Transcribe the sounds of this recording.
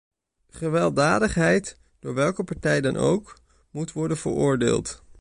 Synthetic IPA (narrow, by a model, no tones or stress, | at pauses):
χəʋɛlˠdaːdəχɦɛjt | d̥ʊːɹʋɛlˠkəpaɹtɛjdɑnʔo̰wk | mutʋɔɹdənvə̰ɹʊːɹdḛːlˠt